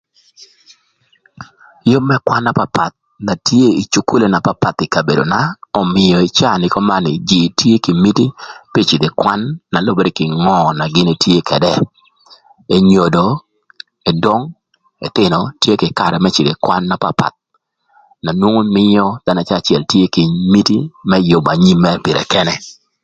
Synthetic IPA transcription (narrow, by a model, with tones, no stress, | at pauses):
jo˦mːɛ˦kwa˦nːa˦pa˨pa˨t̪̚ | na˨tje˦i˨t͡ʃu˨ku˦le˨na˨pa˦pa˨t̪ɪ˨ka˨be˨do̰˨na˦ɔ˨mɪ˨jɔ˨ɪ˨t͡ʃa˦˨nɪ˦kɔ˦ma˦nɪ̰˨d͡ʒi˨tʰje˦ki˨mi˦ti˦pi˦t͡ʃɪ˨d̪e˨kwa˦nːa˨lo˦bo˦de˨kɪ˨ŋɔ˦na˨ɡɪ˦ne˨tje˦kʰɛ˨dɛ˦ | e˨ɲo˨do˨ | e˨dɔ˦ŋ | ḛ˨t̪ɪ˨nɔ˨tje˦kɪ˨ka˨ɾɛ˨mɛ˦t͡ʃɪ˨de˨kwa˦nːa˨pa˦pa̰˨t̪̚ | na˨nwo˦ŋo˦mɪ˦jɔ˦d̪̥a˦na˨t͡ʃa˦˨t͡ʃjɛ˨ltje˦kɪ˨mi˦ti˦mɛ˦jʊ˨ba˨ɲi˦mːɛ˦pɪ˨ɾɛ̰˨kɛ˦nɛ˦